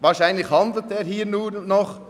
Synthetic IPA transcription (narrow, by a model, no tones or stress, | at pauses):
vaːɾʃaɪnlɪçhɑndl̩teːɾɦiːɾnuːnːɔχ